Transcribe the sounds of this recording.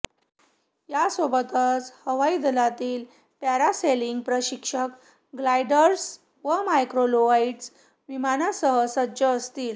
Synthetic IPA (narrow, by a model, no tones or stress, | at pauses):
jasobət̪ət͡shəʋaid̪əlat̪iːl | paɾaseliŋɡ̚pɾəɕikʂək | ɡlajɖəɾs | ʋəmajkɾoloʋaiʈs | ʋimanasəɦəsəd͡ʑəːst̪iːl